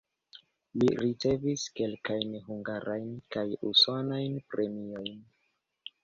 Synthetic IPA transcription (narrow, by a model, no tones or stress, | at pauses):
liɾit͡se̞viske̞lkajnɦuŋɡaɾʔajnkajṵsonajnpɾe̞mio̞jn